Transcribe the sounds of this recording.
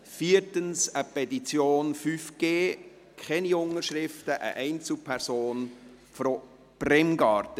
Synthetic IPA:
fiːəɾtənsəpɛtit͡sjoːnfyfɡ̥eː | kʰχɛniʊŋːəʃɾɪftəʔə̰ʔɛɪnt͡sl̩pʰɛɾsoːn | fɾo | b̥rɛmɡɑːɾtə

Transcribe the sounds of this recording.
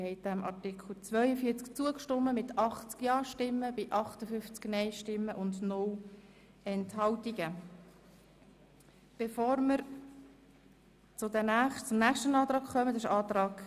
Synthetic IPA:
hɛɪd̥ɛmʔɑ̰ɾtɪkʰχl̩t͡svœʏəfiət͡skt͡suəkʃtʊmːəmɪtʰɑχt͡skjɑːʃtɪmːəbɪʔɑχtəfʏft͡sknɛɪʃtɪmːəʔʊndnʊl | ɛnthɑltiɡə | b̥efoːɾməɾ | t͡sʊdɛnæχt͡sʊmnæːχʃtənɑːt̪ɾɑːɡ̥χœmətɪʃɑːt̪ɾɑːɡ̥

